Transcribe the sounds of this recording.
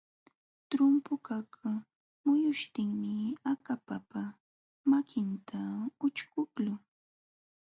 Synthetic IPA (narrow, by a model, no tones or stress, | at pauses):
t̪ɾʊmpʊkak | mʊjʊʃt̪ɪŋmɪakapapa | makʰɪnt̪ʰaʊt͡ʃkʊklʊ